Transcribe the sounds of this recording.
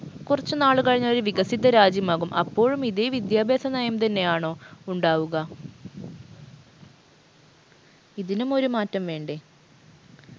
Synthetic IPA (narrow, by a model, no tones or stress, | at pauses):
kurɐt͡ɕːunaːɭukɐɻiɲːɐɭoɾuʋiɣɐsid̪ːɐɾaːd͡ʑjɐmaːɣumʔɐ̰pːo̞ːɻumiðeʋid̪jaːbʱeːsɐnɐjɐmt̪ɐnːe̞jaːɳo̞ːuɳɖaːʋuɣɐ | iðinumo̞ɾumaːtːɐmʋe̞ːɳɖe